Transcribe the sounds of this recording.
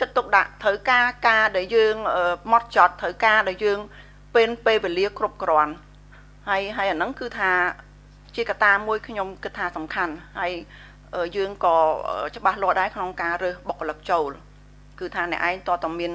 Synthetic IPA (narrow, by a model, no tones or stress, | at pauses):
kət̪̚ːuk̚ɗa̰ʔt̪ʰəwkaːkaːɗaɛljəːŋʔəːmɑt̪̚t͡ɕɑt̪ʰːəwkaːɗaɛljəːŋ | peːnpeːlʋeːliəkrup̚krŏən | haəjɦaəjʔanɨŋkɨːt̪ʰaː | t͡ɕiəkat̪aːmuəjkʰɲomkɨt̪ʰːaːsɑmkʰanhaəj | ʔəːjəːŋkɑːʔə̰ːt͡ɕə̆ɓahlʊ̆əhɗaɛkʰnoŋkaːrəːhɓokʰːələk̚t͡ɕoːl | kɨːt̪ʰaːnɛ̆əʔaɛŋt̪ŏəlt̪amiən